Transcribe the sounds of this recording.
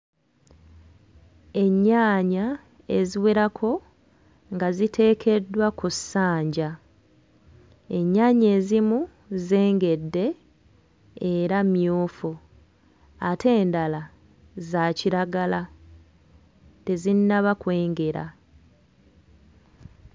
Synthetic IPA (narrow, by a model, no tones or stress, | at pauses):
e̞ɲːaːɲa | e̞ziweɾakʰo̞ | ŋɡazitʰe̞ːkʰe̞dːwakusːaːɲɟa | e̞ɲːaːɲe̞ːzimu | ze̞ːŋɡe̞dːe̞ | ɾamjoːfu | atʰe̞ːndala | zaciɾaɡala | tezinːaβakwe̞ːŋɡe̞ɾa̰